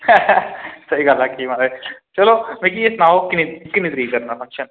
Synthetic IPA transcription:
sɐɦiɡaːlakimaɾaet͡ʃɐlomek̬iesnaːʋokːinikːinit̪ɾikɐɾnapʰɐ̃ŋʃən

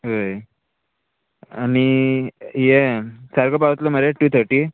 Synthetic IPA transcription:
ɦoj | ani | jesaɾkopaʋət̪loməɾeʈuːt̪ʰəɾʈiː

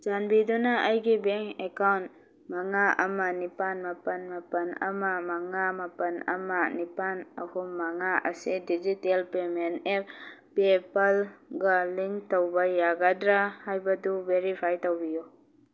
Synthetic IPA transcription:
d͡ʒanbidunaʔːjɡibeŋekawnt | maŋaʔɐ̰manipanmapɐnmapɐnɐ̰mamaŋamapɐnɐ̰manipanɐhummaŋaʔɐsidid͡ʒitelpemenep̚pepalɡaliŋtowbajaɡadɾahajbɐdubeɾipʰajtowbiju

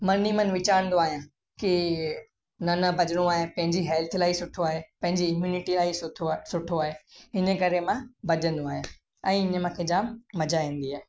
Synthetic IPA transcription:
mɐnimənʋɪt͡ɕaːɾə̃nd̪oaːɦijã | ki | nɐnɐbʱɐd͡ʑəɽ̃oaːɦẽpɐ̃ɦɪ̃ɲd͡ʑiɦɛːlt̪ʰlaːisʊʈʰoaːɦepɐ̃ɦɪ̃ɲd͡ʑiɪmjuːnɪʈilaːiosʊʈʰoaːɦeɦɪnəkɐɾemãbʱɐd͡ʑə̃nd̪oaːɦijã | ɛ̃ːɪɲəmãkʰed͡ʑaːmːɐd͡ʑaːĩːn̆d̪iaːɦe

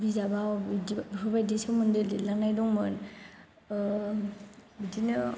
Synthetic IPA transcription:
bizabawdbɯbajdisɔmɯndelilanajdɔŋmɯn | bidinɯ

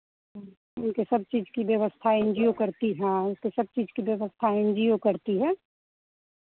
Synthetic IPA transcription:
ɦ | ʊnkesɐb̚t͡ʃiːd͡ʒkibjəʋəst̪ʰaẽnd͡ʒiokəɾt̪iɦɛ̃ʊnkesɐb̚t͡ʃiːd͡ʒkibjəʋəst̪ʰaẽnd͡ʒijokəɾt̪iɦɛː

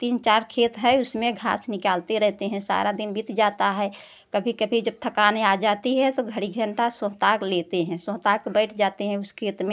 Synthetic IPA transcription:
t̪iːnt͡ʃaːɾkʰeːt̪ɦɛʊsmẽɡʱa̰ːsnɪkaːlt̪eɾɛɦt̪eɦɛ̃sa̰ɾad̪ɪnbit̪d͡ʒaːt̪aɦɛ | kəbʱikəbʱid͡ʒəb̚t̪ʰəkaːnead͡ʒaːt̪iɦɛt̪oɡʱəɽiɡʱəɳʈasõɦt̪aːklet̪eɦɛ̃sõːɦt̪aːkbəɪʈʰd͡ʒaːt̪eɦɛ̃ʊskʰeːt̪mẽ

